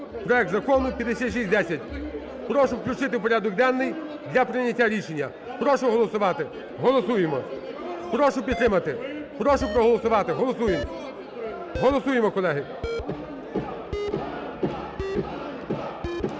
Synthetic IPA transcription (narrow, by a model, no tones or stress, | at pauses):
pɾɔjɛk̚t̪zɐkɔnʊpʲjɐd̪esʲat̪ʲʃ̬isʲd̪ɛsʲɐtʲ | pɾɔʃʊwklʲʊt͡ʃɪt̪ɪwpɔɾʲad̪ɔk̚d̪ɛnːɪj | d̪lʲɐpɾɪnʲːɐtʲːaɾʲiʃenʲːɐ | pɾɔʃʊɦɔlˠɔsʊʋɑt̪ɪ | ɦɔlˠɔsujemɔpɾɔʃʊpʲid̪t̪ɾɪmɐt̪ɪpɾɔʃʊpɾɔɦɔlˠɔsʊʋɑt̪ɪɦɔlˠɔsujem | ɦɔlˠɔsujemɔkɔlˠɛɦɪ